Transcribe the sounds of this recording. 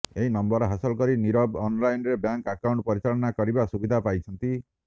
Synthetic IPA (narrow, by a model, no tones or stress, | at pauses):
eɦinɔmbɔɾɔɦasɔlɔkɔɾiniɾɔbɔnlajnɾebjaŋkakawɳʈpɔɾit͡ʃalɔnakɔɾibasubid̪ʱapajt͡ʃʰɔnt̪i